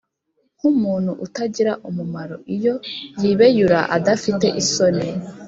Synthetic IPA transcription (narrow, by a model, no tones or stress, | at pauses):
humuːn̥huʔutaɟiɾaʔumumaɾo̞ʔijojiːβejuɾaʔadafite̞ʔisone